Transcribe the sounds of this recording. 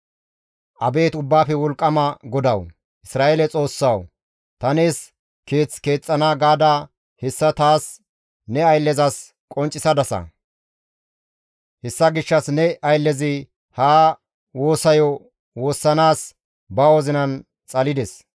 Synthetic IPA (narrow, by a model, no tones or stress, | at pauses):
ʔɐbe̞ːt̪ʊbːaːfɛwɔlkʼːɐmɐɡɔd̪ɐw | ʔɪsɾaːʔeːlɛt͡sʼo̞ːsːɐw | t̪ɐne̞ːs | keːt͡ske̞ːt͡sʼːɐnaːɡaːd̪aː | hɛsːɐt̪aːs | nɛɐjlːɛzɐs | kʼɔnt͡ʃʼːɪsɐd̪ɐsɐ̰ | hɛsːɐɡɪʃːɐsnɛɐjlːɛzɪ | haː | wo̞ːsɐjɔ | wo̞ːsːɐnaːs | bɐwɔzɪnɐn | t͡sʼɐlɪd̪ɛs